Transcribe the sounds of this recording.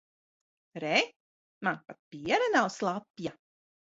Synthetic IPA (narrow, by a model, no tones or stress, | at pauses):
ɾɛ | manpat̪̚piɛɾɐnawslˠapja